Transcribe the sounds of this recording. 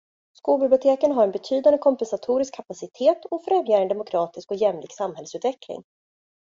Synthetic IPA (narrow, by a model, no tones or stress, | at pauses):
skuːlbɪblʲʊt̪ʰeːkənɦaɾɛnbɛt̪ʰyːd̪and̪əkʰɔmpɛnsat̪ʰuːɾɪskʰːapasɪt̪ʰeːt̪ɔfɾɛmjaːɾɛnd̪ɛmʊkʰɾɑːt̪ɪskɔjɛmlɪ̰ːɡsamːhɛlːəsʉ̟ːt̪vɛklɪ̰ŋ